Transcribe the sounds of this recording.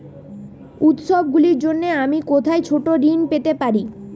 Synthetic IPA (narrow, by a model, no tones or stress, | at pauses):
ut̪ʃobɡuliɾd͡ʑonːeamikot̪ʰaet͡ɕʰoʈoɾinpet̪epaɾi